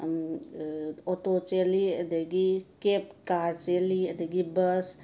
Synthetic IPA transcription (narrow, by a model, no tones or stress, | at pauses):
ɔt̪ot͡ʃeliəd̪eɡikep̚kaɾt͡ʃeliəd̪eɡibəs